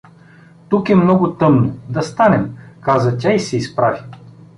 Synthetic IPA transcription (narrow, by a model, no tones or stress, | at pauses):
t̪ukɛmnɔɡʊt̪ɤmnod̪ɐst̪anɛmkazɐtʲaisɛispɾavʲi